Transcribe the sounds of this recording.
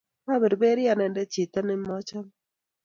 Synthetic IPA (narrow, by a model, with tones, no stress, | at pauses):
ma˦be˨ɾbe˦ɾi˦a˨nɛ˨ndɛ˦t͡ʃi˨t̪a˦nɪ˦mɔ˦t͡ʃa˦m